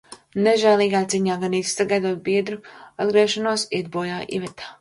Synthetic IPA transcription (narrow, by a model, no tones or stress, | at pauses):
nɛʒɛːlˠiːɡaːjt̪sʲiɲaːɡaniːt̪sst̪aɡajd̪uɔt̪̚biɛd̪ɾua̰d̪̚ɡɾiɛʃanuɔsiɛd̪̚buɔjaːʔḭvɛt̪ʰaː